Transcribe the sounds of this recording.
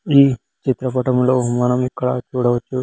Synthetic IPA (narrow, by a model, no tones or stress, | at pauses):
iː | t͡ʃit̪ɾɐpɐʈɐmloːmɐnɐmikːɐɭa̰ːt͡ʃuːɽɐʋɐt͡ʃːu